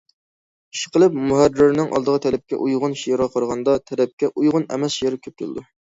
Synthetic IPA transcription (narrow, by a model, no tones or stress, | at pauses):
iʃɪ̥qʰəlˠɪpmuɦærːɪɾnɪŋʔɑ̰lˠd̪əʁət̪ʰɛlɛp̚kʲɛ̰ʔujʁʊnʃijɾʁɑqʰəɾʁɑnd̪ɑt̪ʰɛlɛp̚kʲɛʔujʁʊnɛ̰mɛsʃjeɾɪkʲʰøp̚t̪ʲʰul̰d̪u